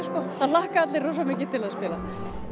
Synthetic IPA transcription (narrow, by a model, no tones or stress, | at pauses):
skɔaðlahkaat̪lɪrowsamɪːcɪt̪ːɪlaðspɪːla